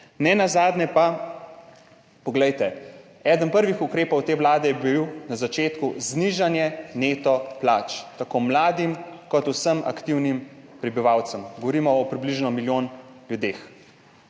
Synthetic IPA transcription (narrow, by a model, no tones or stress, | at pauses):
nɛnazaːd̪nɛpa | pɔɡlɛjt̪ɛ | ɛːd̪ənpəɾʋixukɾeːpɔwt̪eːʋlaːd̪ɛjɛbiwnazat͡ʃeːt̪kuzniʒanjɛneːt̪ɔplaːt͡ʃt̪akomlaːd̪imkɔt̪usəmʔa̰kt̪iwnim | pɾibiʋawt̪səmɡɔʋɔɾiːmɔɔpɾibliʒnɔmiljoːnljud̪eːx